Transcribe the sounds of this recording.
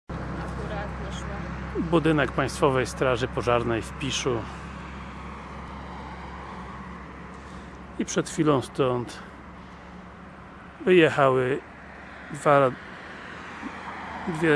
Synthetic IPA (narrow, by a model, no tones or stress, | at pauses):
ɾat̪ | bud̪ɘnɛk̚pãj̃st̪fɔvɛjst̪ɾaʐɘpɔʐaɾnɛjfpʲiʂu | ipʂɛt̪xfʲilɔ̃w̃st̪ɔnt̪ | vɘjɛxawɘ | d̪va | d̪vʲjɛ